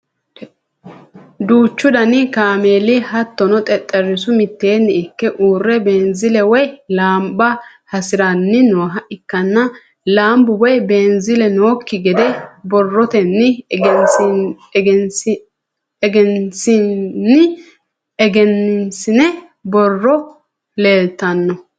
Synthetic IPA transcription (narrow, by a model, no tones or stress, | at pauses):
d̪uːt͡ʃːʊd̪ɐnɪkaːmeːlɪhɐt̪ːɔnɔt̪ʼɛt̪ʼːɛrːɪsʊmɪt̪ːe̞ːnːɪɪkːɛʔuːrːɛbeːnzɪlɛwɔjlaːmbɐ | hɐsɪɾanːɪnoːɦɐʔɪkːɐnːɐ | laːmbʊwɔjbeːnzɪlɛnoːkːɪɡɛd̪ɛbɔrːɔt̪ɛnːɪ | n | ɛɡɛnsɪnːɪ | ɛɡɛnːɪnsɪnɛ | bɔrːɔ | leːlt̪ːɐnːɔ